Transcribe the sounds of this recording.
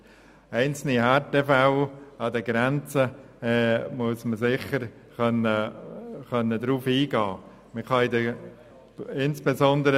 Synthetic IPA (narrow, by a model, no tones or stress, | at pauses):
ɛɪnt͡sl̩nihɛtefaʊɑdəɡɾɛnt͡sə | muəsməsɪχəɾ | χœnəχœnːədɾuːfiːɡɑː | məχɑɪdə | ɪnsb̥ezɔndəɾə